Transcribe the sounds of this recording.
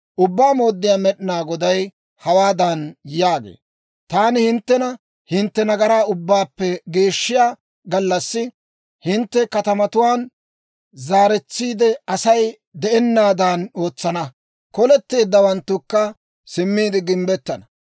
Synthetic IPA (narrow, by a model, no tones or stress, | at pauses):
ʔʊbːaːmo̞ːd̪ːɪjaːmɛɗɪnaːɡɔd̪ɐj | hɐwaːd̪ɐnjaːɡḛː | t̪aːnɪhɪnt̪ːɛnɐ | hɪnt̪ːɛnɐɡɐɾaːʊbːaːpːɛɡe̞ːʃːɪjaː | ɡɐlːɐsːɪ | hɪnt̪ːɛkɐt̪ɐmɐt̪ʊwaːn | zaːɾɛt͡sːiːd̪ɛɐsɐj | d̪ɛʔɛnːaːd̪aːno̞ːt͡sːɐnɐ | kɔlɛt̪ːe̞ːd̪ːɐwɐnt̪ːʊkːɐ | sɪmːiːd̪ɪɡɪmbɛt̪ːɐnɐ